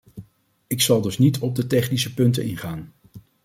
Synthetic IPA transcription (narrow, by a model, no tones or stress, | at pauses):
ɪksɑlˠdɵsnitʰɔb̚dətɛχnisəpɵntə̰nɪnχaːn